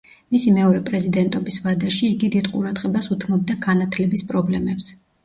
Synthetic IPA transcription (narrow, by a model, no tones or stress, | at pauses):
misimɛɔɾɛpʼɾɛzid̪ɛnt̪ʼɔbisvad̪aʃiːɡid̪id̪qʼuɾad̪ʁɛbasut̪ʰmɔb̚d̪aɡanat̪ʰlɛbispʼɾɔblɛmɛps